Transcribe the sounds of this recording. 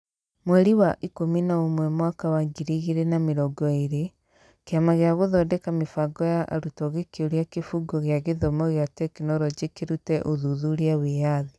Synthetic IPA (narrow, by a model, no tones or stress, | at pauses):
mwɛɾiwaʔikominaomwɛmwakawaɡiɾiɣiɾenameɾɔɡɔiɾe | keamaɣjaɣoðɔdɛkamefaɡɔjaʔa̰ɾutɔɣekeoɾjakefuɡɔɣjaɣeðomɔɣeatekenɔɾɔɟekeɾutɛʔoðuðuɾjawejaði